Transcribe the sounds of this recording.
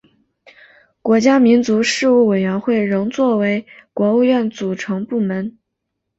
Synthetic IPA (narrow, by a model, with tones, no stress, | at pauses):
kwɔ˧˥t͡ɕja˥mi˧˥nt͡su˧˥ʂɻ̩˥˧u˥˩we˨˩ɪɥɛ˧˥nxwe˥˩ɪɻɤ˧˥ŋt͡swɔ˥˩we˧˥ɪkwɔ˧˥u˥˧ɥɛ˥˩nt͡su˨˩ʈ͡ʂʰɤ˧˥ŋpu˥˩mə˧˥n